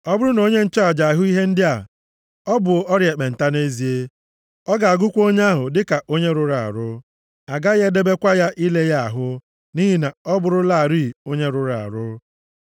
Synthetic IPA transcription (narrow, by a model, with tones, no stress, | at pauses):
ɔ˦bʊ˦ɾʊ˦no˦ɲe˦n̩˦t͡ʃa˦a˨d͡ʒa˨a˨ɦʊ˦i˦ɦe˦n̩˦dɪ˦a˨ | ɔ˦bʊ˨ɔ˦ɾje˨k͡pe˨n̩˨ta˦ne˦zi˨e˦ | ɔ˦ɡa˨a˨ɡʊ˦kʷo˦ɲ˦a˦ɦʊ˨dɪ˦ka˨ʔo˦ɲe˦ɾʊ˦ɾa̰˨ɾʊ˦ | a˨ɡa˦ɣe˦de˦be˦kʷa˦ja˦ʔi˦le˦ja˦a˨ɦʊ˦ | ni˦ɦi˦na˨ɔ˦bʊ˦ɾʊ˦la˦a˨ɾi˦˨o˦ɲe˦ɾʊ˦ɾa˨a̰˨ɾʊ˦